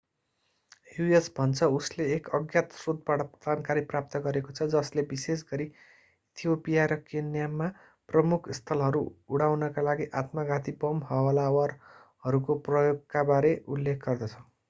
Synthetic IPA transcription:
juesbʱʌnt͡sʰʌusleːkʌɡjat̪sod̪̚baʈʌd͡zʱankaɾiprap̚t̪ʌɡʌɾekot͡sʰʌd͡zʌslebises̬ɡʌɾi | it̪ʰijopijaɾʌkenjamːa | prʌmukʰst̪ʰʌlɦʌɾuuɽawnʌkalaɡiʔat̪maɡat̪ibʌmɦʌwʌlawʌr | ɦʌɾukoprʌjoɡkabaɾeʔulːekʰɡʌrd̪ʌt͡sʰʌ

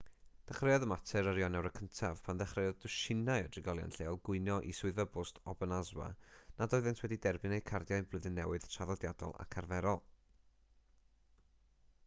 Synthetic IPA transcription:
d̥ɛχrejɔðəmatʰɛɾəɾjɔnɛwɾəkʰəntʰav̥pʰanðɛχrejɔdʊʃɪnajɔdrɪɡɔlˠja̰nɬeːɔlˠɡʊɨnjɔʔisʊɨðvəbʊstʰɔbənazwa̰nadɔːɨðɨntʰwɛdidɛrbɨnejkʰardjaɨblˠəðɨnːɛwɨð̥tʰraðɔdjadɔ̰lˠa̰kʰarvɛɾɔlˠ

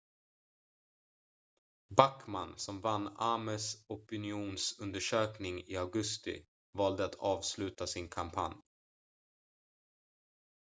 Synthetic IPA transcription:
bakma̰nsɔmvanːaməsɔpɪnɪuːnsɵnd̪əʂøːknɪŋɪaɡɵst̪ɪ̰ | vɑːld̪əat̪ʰɑːvslʉ̟ːt̪asɪnkʰampʰa̰nj

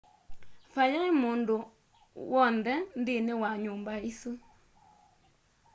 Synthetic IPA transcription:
fajaimundu | wɔndɛndiniwaɲumbaisi

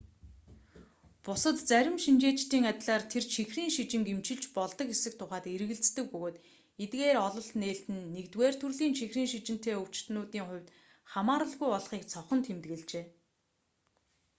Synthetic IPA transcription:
pʊsə̆t̪t͡sæɾʲɪ̆mʃint͡ɕeːt͡ɕt̪iːŋat̪ɮaːrt̪ʰert͡ɕʰixriːŋʃit͡ɕɪ̆ŋkemt͡ɕɪ̆ɮt͡ɕpɔɮt̪ɞ̆kesɘ̆k̚t̪ʰʊχaːt̪eɾ̆ɣɘ̆ɮt͡st̪ɘ̆k̚pɵɣoːt̪ | et̪ɡeːɾɔɮɞ̆ɬt̪neːɬt̪ɘ̆nːekt̪weːr̥t̪ʰɵrɮiːŋʃʰixriːŋʃit͡ɕɪ̆n̥t̪ʰeːɵw̥t͡ɕt̪nʊːt̪iːŋχʊ̟wʲt̪ | χamaːɾə̆ɮɣujɔɮχiːkt͡sʰɔχɞ̆nt̪xemt̪ɡĕɮt͡ɕeː

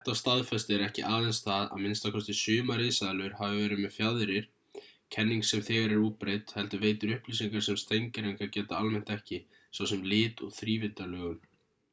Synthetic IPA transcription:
θɛht̪ːast̪aðfɛst̪ɪɛɾɛhcɪʔaːðɛnsθaða̰ðmɪnst̪akʰɔst̪ɪsʏːmaɾeːsaðlʏʏɾ̥havɪvɛːɾɪðmɛðfjaðɾɪɾ̥ | cʰɛnːiŋksɛmθɛːɣaɾɛɾuːpɾejt̪hɛlt̪ʏveːjt̪ʏɾʏhpliːsiŋkaɾ̥sɛmst̪ejɲcɪɾejŋkacɛːt̪aalmɛn̥t̪ɛhcɪ | sawsɛmlɪːt̪ɔɣθɾiːvɪnt̪alœːɣʏl

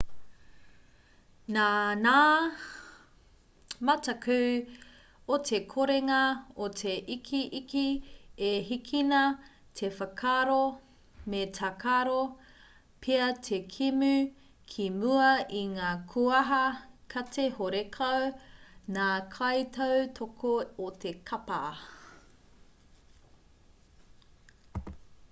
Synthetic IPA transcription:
nanaː | mɐtɐkʰʉ | otʰekʰoɾeŋɐotʰeʔikʰiʔikʰieɦikʰinɐ | tʰefɐkʰaɾo | metʰakʰaɾo | pʰeɐtʰekʰimʉ | kʰimuɐiŋaːkʰuɐɦɐkʰɐtʰehoɾekʰɐwnaːkʰɐjtʰɐwtʰokʰoːtʰekʰɐpa

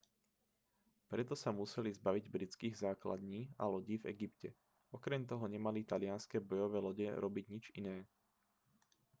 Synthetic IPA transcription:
pɾɛt̪ɔsamusɛlizbaʋiɟbɾit͡skiːɣzaːkla̰d̪ɲiːa̰lɔɟiːvɛ̰ɡipcɛ | ɔkɾɛmt̪ɔɦɔɲɛmalit̪alɪanskɛːbɔjɔʋɛːlɔɟɛɾɔbiɟɲid͡ʒinɛː

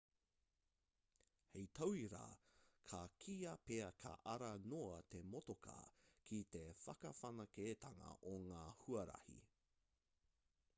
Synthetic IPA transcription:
hejtʰɐwiɾa̰kʰɐkʰiɐpeɐkʰɐ̰ʔɐɾɐnoɐt̪emotokɐ̰kʰit̪efɐkɐfɐnɐkeːt̪ʰɐŋɐ̰ʔoŋaːhuɐɾɐ̰hḭ

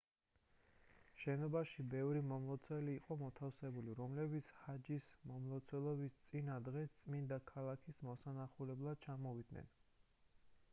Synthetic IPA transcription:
ʃɛnɔbaʃibɛvɾimɔmlˠɔt̪sʰwɛliːqʼɔmɔt̪ʰafsɛbuliɾɔmlɛbit̪sʰhad͡ʒismɔmlˠɔt̪sʰwɛlˠɔbist̪sʼinad̪ʁɛst̪sʼmind̪akʰalˠakʰismɔsanaχulɛblˠad̪̥̚t͡ʃʰamɔvid̪nɛ̰n

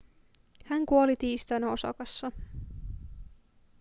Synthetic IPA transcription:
hæŋkuo̞lit̪iːst̪ɑnæo̞sɑ̰kɑsːɑ

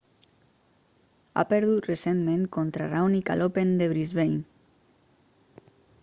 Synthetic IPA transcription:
a̰peɾðut̪resenmẽŋkont̪ɾarawnikalʔopend̪eβɾizβeɲ

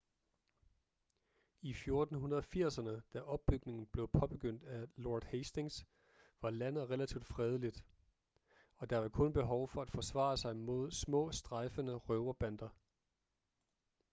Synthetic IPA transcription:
ifjo̝ɐd̥n̩ɦunɐðˠɒfiɐ̰sɐnəd̥æʔɒ̽b̥̚ːyɡ̥ne̝ŋn̩b̥le̝ʊpʰɒ̽b̥e̝ɡ̥øn̰d̥æloɐd̥heɪsd̥e̝ŋs | ʋɑ̈lænð̩ˠʁelæt͡sʰiʊd̥fʁɛːð̞ˠlid̥ | ɒ̽d̥ɑ̈ʋɑ̈kʰɔ̽nb̥e̝ɦɒʊfɒ̽æd̥fɒ̽sʋɑ̰̈ːsɑ̈ɪmo̝ð̞̰ˠsmɔ̰̽ːsd̥ʁɑɪfənəʁœʊɐb̥ænd̥ɐ

